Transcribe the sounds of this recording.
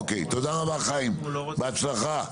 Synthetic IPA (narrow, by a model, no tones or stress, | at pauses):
kejt̪od̪aʁabaχaimbeat͡slaχa